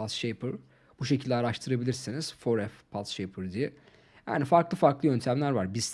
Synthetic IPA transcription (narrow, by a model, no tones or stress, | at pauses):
asʃejpʰɯɾ̥ | buʃe̞cʰilʲd̪ʲɛaɾaʃt̪ʰɯɾabilʲiɾsiniz̥foɾɛfpʰasʃejpʰɯɾd̪ijɛ | ja̰ːnifaɾklˠɯfaɾklˠɯjø̞nt̪ʰæmlʲæɾvaɾbizt̪